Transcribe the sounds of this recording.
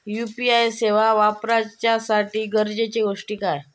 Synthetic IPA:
jupiajseʋaʋapɾat͡ɕjasaʈiːɡəɾd͡ʑet͡ɕeɡoʂʈiːkaj

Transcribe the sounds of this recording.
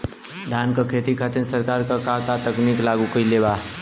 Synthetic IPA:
d̪ʱaːnkakʰeːt̪ikʰat̪ənsəɾkaːɾkakakat̪əkniːklaːɡukəileːbaː

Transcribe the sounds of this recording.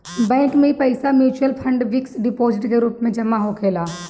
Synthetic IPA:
bɛ̃ːŋkmẽipɐɪsamjuːt͡ʃuəlpʰɐ̃ɳɖʋɪksɖɪpoːzɪʈkeɾuːpmẽd͡ʒɐmːaɦokʰeːlaː

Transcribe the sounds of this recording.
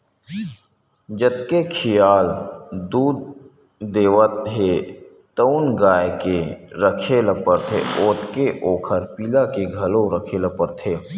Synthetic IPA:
d͡ʒət̪kekʰijaːld̪uːd̪ | d̪eːʋət̪̚ɦet̪əʊnɡaːjkeɾəkʰeləpəɾt̪ʰḛoːt̪keʔoːkʰəɾpiːlakeɡʱɐlõɾəkʰeləpəɾt̪ʰeː

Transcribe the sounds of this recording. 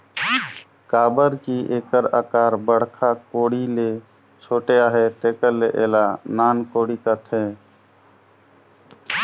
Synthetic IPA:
kaːbəɾkiʔeːkəɾa̰ːkaːɾbəɽ̤kʰakoːɽile | t͡ʃʰoːʈeaːɦet̪eːkəɾːeʔeːlanaːnkoːɽikat̪ʰẽː

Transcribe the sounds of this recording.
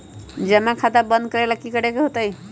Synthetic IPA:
d͡ʒəmakʰad̪abə̃nd̪̚kəɾalakikəɽekeɦot̪əj

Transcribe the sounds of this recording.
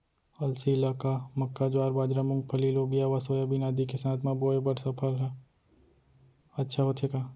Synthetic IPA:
ɐlsilaːkamɐkːad͡ʒwaːɾbaːd͡ʒɾamʊ̃ŋɡ̚pʰɐliloːbijaʋasoːjabɪnaːd̪ikesaːt̪ʰmãboːebɐɽsɐpʰəɾɦa | ɐtːʃʰaɦot̪ʰekaː

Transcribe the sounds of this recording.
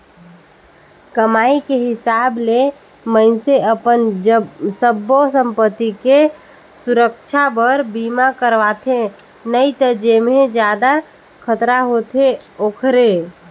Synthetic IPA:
kəmaːikeɦɪsaːble | mə̃ɪnseəpən | səbosə̃mpət̪ːike | sʊɾəkʃʰabəɾbiːmakəɾʋaːt̪ʰe | nəit̪əd͡ʒemẽd͡ʒjaːd̪a | kʰət̪ɾaɦoːt̪ʰeoːkʰɾe

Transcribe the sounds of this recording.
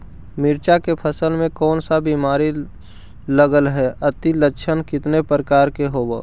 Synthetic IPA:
mɪɾt͡ʃakepʰəsəlmẽkɔːnsabiːmaːɾi | ləɡəlɦɛət̪iləʃʰənkɪt̪nepɾəkaːɾkeɦoːbo̰

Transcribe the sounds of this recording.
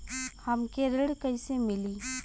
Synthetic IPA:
hɐmkeɾɪɽkɐisemɪliː

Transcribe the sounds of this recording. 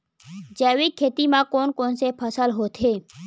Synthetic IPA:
d͡ʒɛːʋikʰːet̪imãkonkonsepʰəsəlɦot̪ʰe

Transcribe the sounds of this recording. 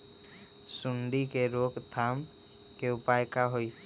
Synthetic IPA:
suɳɖikeɾokt̪ʰam | keʊpajkaɦoj

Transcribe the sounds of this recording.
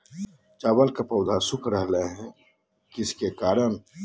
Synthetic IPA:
t͡ʃaːbəlkapəʊd̪ʱasʊkʰɾəɦləɦɛ̃ | kɪskekaːɾəñ

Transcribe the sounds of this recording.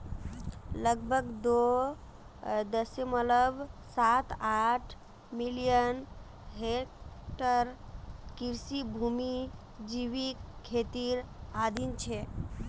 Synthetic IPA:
ləɡbʱəɡd̪o | d̪əseməlləbsat̪aʈʰ | milijən | ɦekʈəɾkiɾsibʱumi | d͡ʒiʋikkʰːet̪iɾad̪int͡ʃʰe

